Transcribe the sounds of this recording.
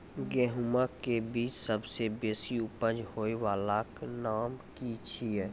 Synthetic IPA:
ɡɛːɦumakebiːt͡ʃsəbsebeːsiʊpəd͡ʒhoːewaːlaknaːmkit͡ʃʰiɛ

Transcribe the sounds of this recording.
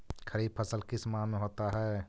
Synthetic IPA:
kʰəɾiːb̚pʰəsəlkɪsmãmẽɦoːt̪aɦɛː

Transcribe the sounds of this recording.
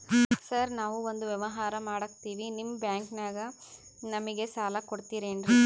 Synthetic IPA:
sɐɾnaːʋuond̪uʋjɛʋɐɦaːɾɐmaːɽɐkt̪iːʋinimːbjaːŋknaːɡɐ | nɐmiɡe̞saːlɐkoɽt̪iːɾeːɳɖɾi

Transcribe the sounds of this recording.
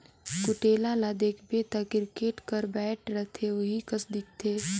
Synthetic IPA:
kʊʈeːlalad̪eːkʰbet̪akɪɾkeːʈkəɾbɛːʈʰɾət̪ʰeʊɦikɐsd̪ɪk̚t̪ʰeː

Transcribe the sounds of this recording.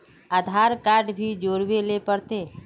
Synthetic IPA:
əd̪ʱaːɾkaːɾʈbʱid͡ʒoːɾwelepəɾt̪eː

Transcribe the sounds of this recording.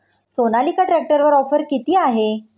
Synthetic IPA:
sonalikaʈɾæk̚ʈəɾʋəɾɔfəɾkit̪iːaɦe

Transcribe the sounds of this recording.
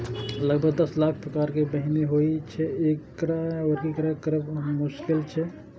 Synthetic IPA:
ləɡ̚bʱəɡ̚d̪əslak̚ʰpɾəkaːɾkebəɦineɦoit͡ʃʰɛekːɾaoɾkikɾakəɾəbmuʃkɪlt͡ʃʰɛ

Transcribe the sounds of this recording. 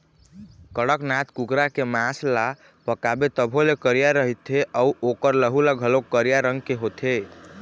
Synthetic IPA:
kəɽəknat̪ʰkukɾakemãsla | pəkabet̪əbʱolekəɾijaɾəɦit̪ʰeʔəuokəɾləɦulaɡʱəlokəɾijaɾəŋɡkeɦot̪ʰe

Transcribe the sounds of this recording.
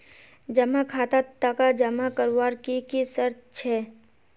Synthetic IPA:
d͡ʒɐmakʰaːt̪at̪ːakad͡ʒɐmakəɾwaːɾkikisəɾtt͡ʃʰɛː

